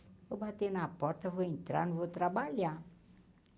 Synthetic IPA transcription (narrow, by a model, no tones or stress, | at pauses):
əbʱat̪enapɔɾt̪ʰəʋəint̪ɾa̰nʋot̪ɾabalja